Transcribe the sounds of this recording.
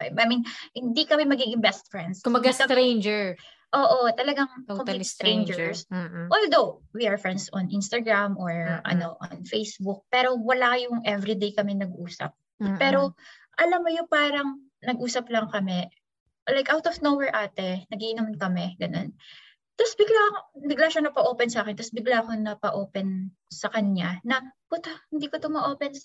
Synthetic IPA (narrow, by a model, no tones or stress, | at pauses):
majminhɪnd̪ikɐmɛmɐɡiːɡɪŋbɛst̪̚fɹɛnd̪sɐɡasɐɾend͡ʒɛɹ | ʔoːʔot̪ɐlɐɡaŋkoŋst̪ɾẽjnd͡ʒɛsʔoːld̪ow | wiɐɹfɹɛnd̪sɔnʔinst̪ɐɡɹamʔoɹʔɐ̰noʔɔ̰nfejsbʊk̚pɛːɾo̞wɐlaɐjʊŋʔɛvɾid̪ejkɐmɛnɐɡ̚ʔuːsɐ̰p̚ | pɛːɾo̞ | ʔɐlamːʊjʊpaːɾɐŋ | nɐɡʔuːsɐplɐŋkɐmɛ | lajkʔawt̪ɔfnowɛɹʔaːt̪ɛnɐɡiʔɪnomnkɐmɛɡɐno̞̰n | t̪ɐsbɪɡlabɪɡlaʃanɐpɐʔo̞ːpɛnsɐʔaːkɛnt̪ɐsbɪɡlakonɐpɐʔo̞ːpɛn | sɐkɐɲɲanɐpʊt̪ɐhɪnd̪iːkot̪ʊmɐʔoːpɛns